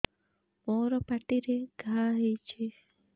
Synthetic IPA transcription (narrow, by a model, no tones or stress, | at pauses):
mɔːɾɔpaʈiɾeɡʱaːɦejt͡ʃʰe